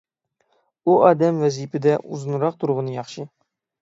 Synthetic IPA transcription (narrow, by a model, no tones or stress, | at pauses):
uɑːd̪ɛmwɛzipɪd̪ɛʔuzɨnɾɑqt̪ʰuɾʁənɨjɑχʃɨ